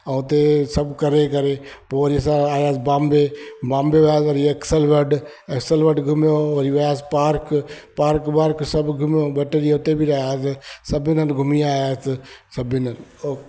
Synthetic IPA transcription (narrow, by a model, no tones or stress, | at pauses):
ɐ̃ʊt̪esɐbkɐɾekɐɾepoːʋɐɾiɐs̬ãaːjaːsbãːmbebãːmbeʋɐjaːsɐɾiɐksəlʋɐɖ | ɐksəlʋɐɖɡʱʊmjoʋɐɾiʋɐjaːs̬paːɾk | paːɾkbaːɾksɐbɡʱʊmjobɛʈeːɾiʊt̪ebʱiɾɐɦjaːssɐbɪnənɡʱʊmiaːjaːssɐbɪnən